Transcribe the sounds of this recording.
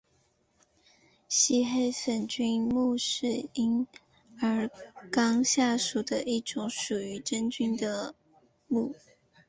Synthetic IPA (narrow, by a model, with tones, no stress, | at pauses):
ɕi˥xe˥˩ɪfə˨˩nt͡ɕy˥nmu˥˧ʂɻ̩˥˩i˥n | ə˞˧˥kɑ˥ŋɕja˥˩ʂu˨˩d̪ə˦ʔi˥˩ʈ͡ʂʊ˨˥˦ŋʂu˨˩y˧˥ʈ͡ʂə˥nt͡ɕy˥nd̪ə˨ | mu˥˩